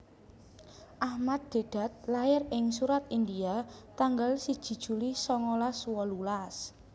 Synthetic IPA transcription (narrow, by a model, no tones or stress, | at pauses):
ʔahmat̪̚d̪̥e̤ɖ̥a̤t̪̚laɪɾɪŋsuɾat̪ind̪iat̪aŋɡalsid̥ʒ̥i̤d̥ʒ̥ṳlisɔŋolaswɔlulas